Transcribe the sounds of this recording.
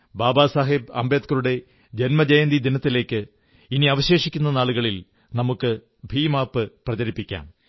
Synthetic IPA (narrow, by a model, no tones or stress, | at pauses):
baːbaːsaːɦibɐ̰mbeːt̪̚kɐɾuɽe̞ | d͡ʑenmɐd͡ʑɐjɐnd̪id̪inɐt̪ːile̞ːkːɨ | iniɐʋɐɕe̞ːʂikʲːunːɐnaːɭuɣɐɭil | nɐmukːɨ | bʱiːmaːpːɨprɐt͡ɕɐɾipːikʲːa̰ːm